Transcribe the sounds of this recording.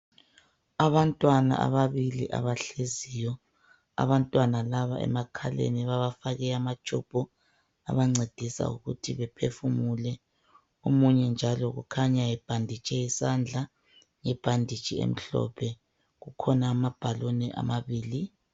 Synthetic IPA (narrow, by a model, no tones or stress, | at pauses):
aβantʼwana̰ʔa̰βaβiliʔa̰βaɬezijɔ | a̰βantʼwanalaβa̰ʔɛ̰makʰalḛniβaβafaɣɛamat͡ʃʰʼub̥ʱɔ | a̰βaŋ͡ǀed̥ʱisa̰ṵɣutʰiβɛpʰefumulɛ | omuɲɛnd͡ʒʱalɔɣṵkʰaɲajɛb̥ʱandʱit͡ʃʼɛisand͡ɮʱa | ŋɛb̥ʱandʱit͡ʃʼiḛm̩ɬɔ̰pʰɛ | ɣukʰɔnaːmab̥ʱalonɛʔa̰maβiːli